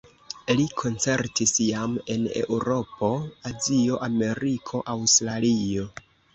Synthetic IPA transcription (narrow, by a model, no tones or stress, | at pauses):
likʰo̞nt͡se̞ɾtisjame̞ne̞̰ʔuɾo̞po̞azio̞ʔame̞ɾikʰo̞ʔawstɾalio̞